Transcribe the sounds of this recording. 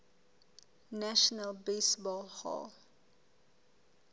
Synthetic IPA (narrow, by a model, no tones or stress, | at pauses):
naʃɔnəlbesbɔlhɔ̰l